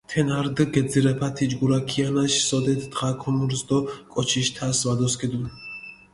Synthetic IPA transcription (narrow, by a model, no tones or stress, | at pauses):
t̪ʰɛnaɾd̪əɡɛd̪ziɾɛpʰat̪ʰid͡ʒɡuɾakʰianaʃsɔd̪ɛt̪ʰd̪ʁakʰɔmuɾzd̪ɔkʼɔt͡ʃʰiʃt̪ʰasvad̪ɔskʼid̪un